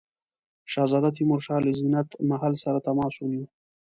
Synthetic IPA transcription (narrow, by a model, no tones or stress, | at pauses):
ʃɑzɑd̪at̪imʊɾʃɑlɪzinat̪maɦalsaɾat̪amɑsuni